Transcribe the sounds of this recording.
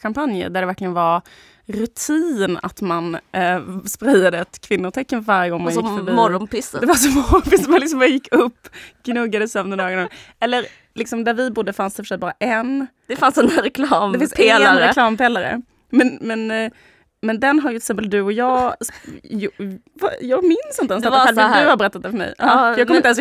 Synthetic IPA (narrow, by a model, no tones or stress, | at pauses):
kampanjə̰d̪æɖɛvæɾklɪɡənvaɾ | ɾʉt̪ʰiːna̰t̪man | spɾɛjːad̪əɛt̪kʰvɪnːʊʈʰɛkːənvaɾjəɡɔŋːmanjɪfœɾbiːɔɾɔnpɪsd̪ɛvas̬ɔmɔɾɔnpɪsmanlɪksɔmbajɪkːɵpːɡ̥nɵɡːad̪əsœmnəd̪ɑːɡəna | ɛlːəɾ | lɪksɔmd̪æɾvɪbʊd̪ːəfansd̪ɛfʂɛːt̪̚bɑːɾaʔɛn | d̪ɛfansdɛnɾɛkʰlɑːmɛfɪnsaɾɛlɑːmpɛlːaɾə̰ | mɛnmɛn | mɛnd̪ɛnɦaɾjʉt̪ɪsɛmpəld̪ɵɔjɑː | va̰jɑːɡmɪnsɪnt̪ɛnsd̪aɛd̪ɵhaɾbɛɾɛt̪ːat̪̚d̪ɛfœəmɛ̰jʔɑjɑːɡkʰɔmɾɪas